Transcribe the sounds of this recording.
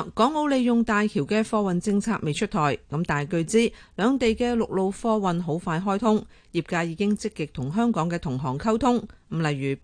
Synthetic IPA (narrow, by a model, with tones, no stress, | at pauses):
kɔː˨˥ŋo˨˧wle˨jjʊ˨ŋt̪aː˨jkʰiː˨˩wkɛː˧fɔː˧wɐ˨nt͡sɪ˧ŋt͡sʰaː˧k̚me˨jt͡ʃʰɵ˥t̪ʰɔː˨˩jkɐ˨˥mt̪aː˨˩jkɵ˧ɥt͡siː˥lœː˨˧ŋt̪e˨jkɛː˧lʊ˨k̚lo˨˧wfɔː˧wɐ˨nɦo˨˥wfaː˧jɦɔː˥jt̪ʰʊ˥ŋ | jiː˨˩p̚kaː˧jiː˨˧kɪ˥ŋt͡sɪ˥kːɪ˨k̚t̪ʰʊ˨˩ŋɦœː˥ŋkɔː˨˥ŋkɛː˧t̪ʰʊ˨˩ŋɦɔː˨˩ŋkʰɐ˥wt̪ʰʊ˥ŋm̩˨˩lɐ˨jɥyː˨˩